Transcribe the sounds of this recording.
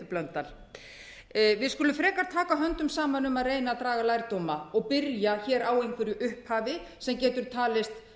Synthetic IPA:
ʏplœnt̪ːal | vɪðskʏːlʏmfɾɛːkaɾ̥t̪ʰaːkaɦœnt̪ʏmsaːmanʏmaðreːjnat̪ɾaːɣalajɾt̪owmaɔɣpɪɾjaçɛːɾʔawejnŋkʰvɛɾjʏʔʏhphaːvɪ | sɛmcɛːt̪ʏɾ̥t̪ʰaːlɪst̪

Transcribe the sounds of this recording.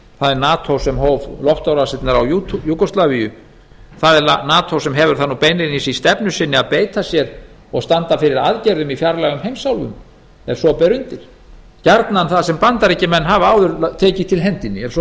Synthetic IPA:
θaðɛɾnaːt̪ʰowsɛmɦoːwvlɔhft̪awɾasɪt̪naɾawjut̪jukɔst̪lavijʏ | θaðɛɾanaːt̪ʰowsɛmɦɛvʏɾ̥θanːupeːjnɪnisist̪ɛpnʏsɪnːɪaðpeːjt̪ʰasjɛɾ | ɔɣst̪ant̪afɪɾɪɾa̰ðcɛjɾðʏmifjaɾlɛɣʏmɦejmsawlvʏ̰m | ɛɾ̥sɔpɛɾʏnt̪ɪɾ̥ | caɾt̪nanθaðsɛmpant̪aɾecɪmɛnːɦavaːwðʏɾt̪ʰeːcɪ̥t̪ʰɪlɦɛnt̪ɪnːɪɛɾsɔ

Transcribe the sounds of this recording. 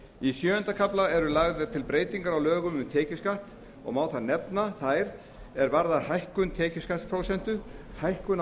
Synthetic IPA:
isjœːʏnt̪akʰaplaɛɾʏlaɣðɛɾt̪ʰɪlpɾeːjt̪iŋkaɾawlœːɣʏmʏmt̪ʰɛːcɪskaht̪ | ɔ̰ɣmaːwθaðnɛpnaθajɾ | ɛɾvaɾðaðhajhkʏnt̪ʰɛːcɪ̥skaht̪spʰɾowsɛn̥t̪ʏhajhkʏn

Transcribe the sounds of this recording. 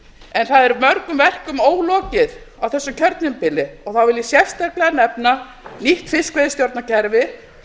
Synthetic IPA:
ɛnθaðɛɾmœɾkʏmvɛr̥kʏmoːwlɔːcɪð | awθɛsːʏmcʰœɾt̪nɪmpɪlɪɔɣθawvɪljɪsjɛfst̪ɛɾklɛanɛpna | niht̪fɪskvejðɪst̪jowɾt̪nacʰɛɾvɪ

